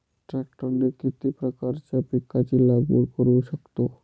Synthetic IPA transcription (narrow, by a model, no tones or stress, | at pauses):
ʈɾɛk̚ʈonɖeɾkit̪ipɾakaɾt͡ɕapikʰːat͡ɕilaɡboɾkoɾeʃakt̪o